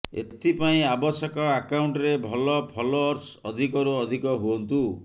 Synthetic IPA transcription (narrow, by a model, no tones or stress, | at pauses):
ḛt̪ʰipaĩabɔsɔkɔakawɳʈɾebʱɔlɔpʰɔloːɾsɔd̪ʱikɔɾuɔd̪ʱikɔɦuɔnt̪u